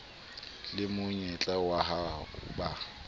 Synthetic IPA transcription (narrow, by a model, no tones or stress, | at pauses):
lɪmʊɲɛt͡ɬʼawaɦaʊ̰ba